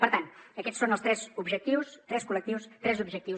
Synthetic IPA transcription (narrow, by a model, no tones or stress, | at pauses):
pəɾt̪anəkɛt̪sːonəlˠst̪ɾɛzubʒək̚t̪iwst̪ɾɛskulək̚t̪iwst̪ɾɛzubʒək̚t̪i